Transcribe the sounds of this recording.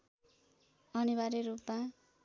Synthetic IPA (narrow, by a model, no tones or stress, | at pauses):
ʌnibaɾiɾupma